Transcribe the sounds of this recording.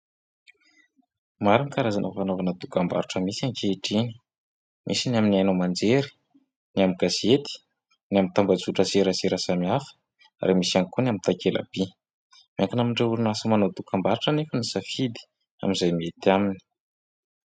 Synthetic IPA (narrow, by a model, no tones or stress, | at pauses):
maɾanikaɾazanʔə̰fanovanəd̪ukamba̰ɾuʈ͡ʂəmisaŋkeiʈ͡ʂiɲi̥ | mʔisinaminiajnomand͡zeɾi̥ | niamiɡaset̪i̥ | niamint̪ambad͡zuʈ͡ʂəseɾaseɾasamiafə̥ | a̰ɾemisanikunamint̪akela̰b̥i | maŋkanamiɳɖ͡ʐeulunasəmanod̪ukambaɾuʈ͡ʂənefənisafid̪i̥ | a̰mizajmiet̪amini̥